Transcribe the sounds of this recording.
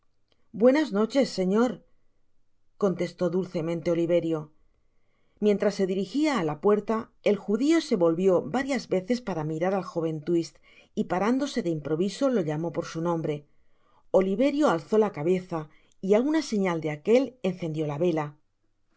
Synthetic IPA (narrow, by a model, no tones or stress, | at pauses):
bwe̞nazno̞t͡ʃe̞sːe̞ɲo̞ɾ | ko̞nt̪e̞st̪o̞ðulθe̞mẽnt̪e̞o̞liβe̞ɾjo̞ | mje̞nt̪ɾasːe̞ðiɾixiaːlapwe̞ɾt̪a | e̞lxuðio̞se̞βo̞lβjo̞baɾjazβe̞θe̞spaɾamiɾaɾalxo̞β̞e̞nt̪wist̪ | ipaɾand̪o̞se̞ðe̞impɾo̞βiso̞lo̞ʎamo̞po̞ɾsunõ̞mbɾe̞ | o̞liβe̞ɾjo̞alθo̞lakaβe̞θa | iaunase̞ɲald̪eake̞le̞n̟θe̞nd̪jo̞laβe̞la